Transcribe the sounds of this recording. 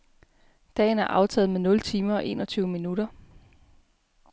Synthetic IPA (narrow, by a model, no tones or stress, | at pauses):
d̥ɛ̰ːn̩æɐʔɑ̈ʊt͡sʰɛ̰ːð̩ˠmenɔ̽lt͡sʰiːmɐɒ̽ʔe̝̰ːnɒt͡sʰyːʊəminuɾ̥ɐ